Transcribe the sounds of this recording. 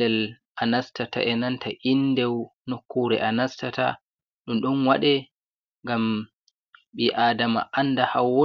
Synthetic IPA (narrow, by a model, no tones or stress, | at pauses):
ɛl | ʔanastata̰ʔɛnantʰaʔinːdɛwnokːuɾɛʔanastata̰ | ɗumɗɔnwaɗɛ | ŋɡam | ɓiʔadama̰ʔanːdahawo